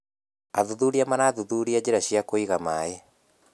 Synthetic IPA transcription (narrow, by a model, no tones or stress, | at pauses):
aðuðuɾiamanaðuðuɾiad͡ʑeɾaɕiakoiɣamae